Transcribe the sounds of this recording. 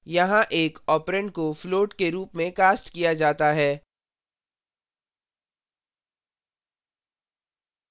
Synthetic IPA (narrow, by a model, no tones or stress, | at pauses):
jɐɦãʔeːkɔːpɾə̃ɳɖkofloːʈkeɾuːpmẽkaːsʈkijad͡ʒaːt̪aɦɛː